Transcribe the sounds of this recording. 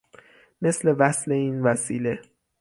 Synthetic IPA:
me̞sle̞væsle̞iːnvæsiːle̞

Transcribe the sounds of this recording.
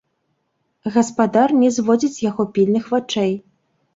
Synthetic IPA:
ɣɐspad̪arnʲɛzvɔd͡zʲit͡sʲjaɣɔpʲilʲnɨxvat͡ʂɛj

